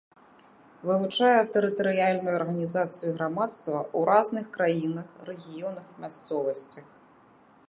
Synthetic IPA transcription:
vɨvut͡ʂajɛt̪ɛɾɨt̪ɐɾɨjalʲnujuɐrɣɐnʲizat̪sɨjuɣɾamat̪st̪vɐʔuɾʔaznɨxkɾajinɐxrɛɣʲijɔnɐxmʲast̪sɔvɐsʲt͡sʲɐx

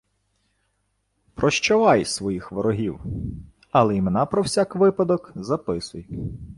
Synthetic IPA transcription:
pɾɔʃt͡ʃɔʋɑjsʋɔjixʋɔɾɔɦʲiw | ɐlˠɛjimenɑpɾɔwsʲɑkʋɪpɐd̪ɔkzɐpɪsʊj

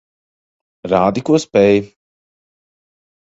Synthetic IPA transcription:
ɾaːd̪ikuɔspɛj

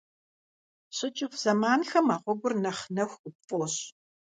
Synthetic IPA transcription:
ɕʼɪt͡ʃʼɪfz̥ɐmaːnxɐmaːʁʷɔɡʷʊrnɐχnɐxʷʼʊpfʼoːɕ

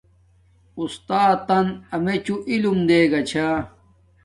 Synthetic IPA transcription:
ust̪aːt̪ːɐnɐmet͡ɕuʔilumd̪eːɡɐt͡ɕʰa

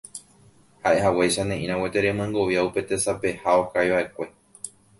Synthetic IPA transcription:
haʔe̞ɦawejʃanẽ̞ʔĩɾ̃ãwet̪e̞ɾe̞mɨ̃ŋɡo̞ʋjaupe̞t̪e̞sape̞hao̞kajβaʔe̞kʷe̞

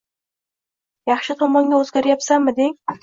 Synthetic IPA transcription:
jɑχʃɪt̪ʰɒmɒŋɡʲaɵzɡʲaɾjapsammːɪd̪eŋ

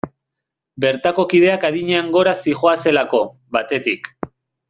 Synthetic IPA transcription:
be̞ɾt̪ako̞kið̞e̞akaðiɲeaŋɡo̞ɾasixo̞ase̞lako̞ | βat̪e̞t̪ik

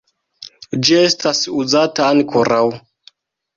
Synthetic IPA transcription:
d͡ʒie̞stasuzataːŋkʰoɾʔaw

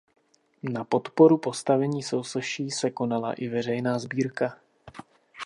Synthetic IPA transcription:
napo̞t̪po̞ɾupo̞st̪avɛɲiːso̞wsɛʃiːsɛko̞nala̰ʔɪvɛr̝ɛjnaːzbiːɾka

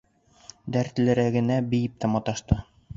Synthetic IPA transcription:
d̪æɾt̪ɘ̆lɘ̆ɾæɡɘ̆næbɘ̆jɘp̚t̪æmɒt̪ɑʃt̪ɤ

